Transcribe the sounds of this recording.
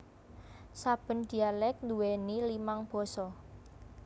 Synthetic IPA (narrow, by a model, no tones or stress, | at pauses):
sab̥ə̤nd̪̥i̤alɛk̚nd̪uwenilimaŋb̥ɔ̤sɔ